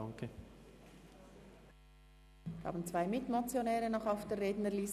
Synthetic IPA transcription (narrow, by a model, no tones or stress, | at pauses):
ɑŋkʰə | vhɑ̰ːbn̩t͡sv̥aɪmɪtmot͡sjonɛːʁənɔχaʊfd̥eːɾʁeːdnəliːs